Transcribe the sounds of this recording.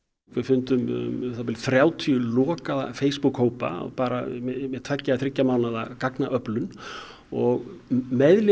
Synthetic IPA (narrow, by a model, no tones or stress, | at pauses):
kvɛfʏnt̪ʏmʏ̰mθapɪlɪθɾjaːwt̪ʰiʏlɔːkaða̰feːjspukhoːwpa̰paːɾa̰mɛmɛðt̪ʰvacːaaθɾɪcːamaːwnaðakaknaʔœplʏn | ɔɣmɛðlɪ